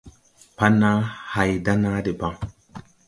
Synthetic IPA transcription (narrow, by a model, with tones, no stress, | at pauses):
pa˦na˦ha˨jda˦na˦di˨ba˦ŋ